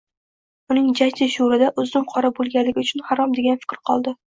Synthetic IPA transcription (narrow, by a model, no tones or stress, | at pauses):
ʊnɪŋd͡ʒat͡ʃ̪ʰɪʃuɾɪd̪aʔʊzɪmqʰɒɾabolˠɡʲanlɪɡʲɪʊt͡ʃʰʊnhaɾɒmd̪e̞ɡʲanfɪ̥kʲɾɪqʰɒlˠd̪ɪ